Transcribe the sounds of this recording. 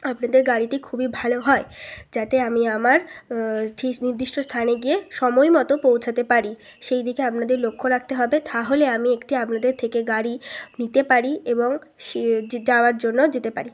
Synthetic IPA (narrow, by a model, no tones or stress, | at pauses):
apnad̪eɾɡaɽiʈikʰubibʱaloɦɔed͡ʑat̪eamiamaɾʈʰiniɾd̪iʃʈʰost̪ʰaneɡieʃɔmojmɔt̪opowt͡ɕʰat̪epaɾi | ʃejd̪ikeapnad̪eɾlokʰːoɾak̚ʰt̪eɦɔbet̪ʰaɦoleamiekʈiapnad̪eɾt̪ʰekeɡaɾinit̪epaɾieboŋʃd͡ʑaoaɾd͡ʑonːod͡ʑet̪epa̰ɾi